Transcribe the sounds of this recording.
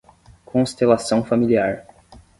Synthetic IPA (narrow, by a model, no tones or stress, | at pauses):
kʰõst̪elasɐ̃w̃familiaɾ